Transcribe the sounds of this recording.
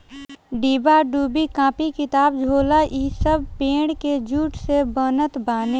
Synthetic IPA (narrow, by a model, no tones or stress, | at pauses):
ɖiːbaɖuːbikãːpikɪt̪aːbd͡ʒʱoːlaʔisəb̚peːɽked͡ʒuːʈsebənət̪baːneː